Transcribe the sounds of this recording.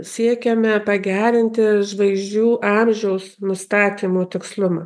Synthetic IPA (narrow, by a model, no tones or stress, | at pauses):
sʲiɛkʲɛmʲɛpɐɡʲæːɾʲɪnʲt̪ʲɪʒʋɐɪʒʲd͡ʒʲuːʔɑːmʲʒʲɛʊsnʊst̪ɑːt̪ʲiːmoːt̪ʲɪkslˠʊmɑː